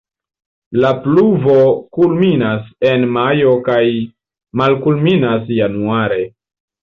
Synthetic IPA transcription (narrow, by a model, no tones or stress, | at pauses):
lapluvo̞kulminasenmajo̞kaj | malkulminas̬januaɾe̞